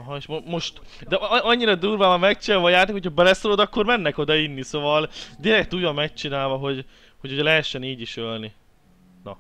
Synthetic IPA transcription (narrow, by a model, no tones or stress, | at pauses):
ɒɦɒeʃmomo̞ʃt̪ | d̪ɛɒɲːiɾɒd̪uːrvaːmɒmɛkt͡ʃɛlvɒjaːrt̪ekhocʰɒbɛlɛsolod̪ɒkːo̞rmɛnːɛko̞d̪ɒinːiso̞vɒld̪iɾɛk̚t̪uːjɒmːɛk̚t͡ʃinaːlvɒɦo̞ɟ | hoɟuɟɛlɛɦɛʃːɛniːɟiʃølni | nɒ̰